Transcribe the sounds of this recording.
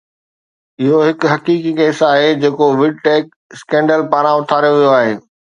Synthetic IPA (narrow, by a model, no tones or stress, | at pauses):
ɪɦoɦɪkɦɐkiːkikɛːsaːɦed͡ʑeːkoʋɪɖ̚ʈeːk̚ | skɛ̃ːɳɖəlpaːɾãʊt̪ʰaːɾjoʋijoaːɦeː